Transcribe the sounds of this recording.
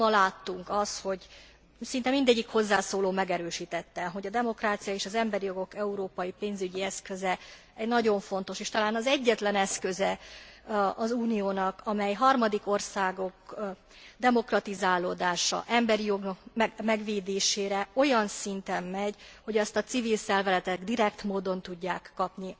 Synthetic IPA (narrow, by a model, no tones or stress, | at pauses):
ɒlaːt̪ːuŋkɒsho̞ɟ | sint̪ɛmind̪ɛɟːikho̞zːaːsoːloːmɛɡɛɾøːʃiːt̪ɛt̪ːɛɦo̞ɟɒd̪ɛmo̞kraːt̪sijɒeːʃɒzɛmbɛɾijo̞ɡo̞kɛuɾoːpɒjipeːnzyɟiɛskøzɛ | ɛɟnɒɟo̞ɱfo̞nt̪o̞ʃeːʃt̪ɒlaːnɒzɛɟːɛt̪lɛnɛskøzɛ | ɒzuːnijoːnɒkɒmɛjɦɒrmɒd̪iko̞rsaːɡo̞k | d̪ɛmo̞krɒt̪izaːloːd̪aːʃɒ̰ʔɛmbɛɾijo̞ɡnɒkmɛmɛɡʋeːd̪eːʃeːɾɛo̞jɒnsint̪ɛmːɛɟho̞ɟɒst̪ɒt̪sivilsɛrvɛzɛt̪ɛɡd̪iɾɛkt̪moːd̪o̞nt̪uɟːaːkːɒpni